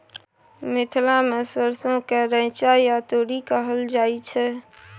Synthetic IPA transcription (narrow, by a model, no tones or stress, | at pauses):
mɪt̪ʰlamesəɾsõkeɾə̃ɪt͡ʃajat̪oːɽikəɦəld͡ʒaːit͡ʃʰɛ